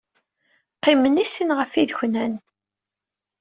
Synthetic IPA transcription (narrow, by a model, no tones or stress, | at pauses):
qːimənisinʁəfiðçnæn